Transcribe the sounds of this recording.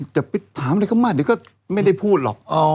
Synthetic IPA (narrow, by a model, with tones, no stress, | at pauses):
t͡ɕɛ˨˩pi˨˦˩t̪ʰːaː˨˦mɾa˧˩kʰa˥˩maː˧˥˩niː˨˧˦kɔː˥˩ | ma˥˩jda˥˩jpʰuː˥˩t̪̚lɔ̰˨˩k̚ɔ˧